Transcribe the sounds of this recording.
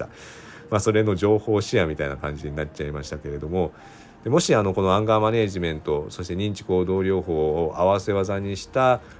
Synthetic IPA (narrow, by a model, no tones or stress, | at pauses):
a | maso̞ɾe̞no̞ʑo̞ːho̞ːɕiamʲit̪ainakãɲ̟d͡ʑiɲ̟inatt͡ɕaimaɕi̥t̪ake̞ɾe̞d̪omo̞ | d̪̥e̞mo̞ɕiano̞ko̞no̞ãŋɡaːmane̞ːʑimẽ̞nt̪o̞so̞ɕi̥t̪e̞ɲ̟ĩɲ̟t͡ɕi̥ko̞ːd̪o̞ːɾʲo̞ːɦo̞ːʔaβase̞βazaɲ̟iɕi̥t̪a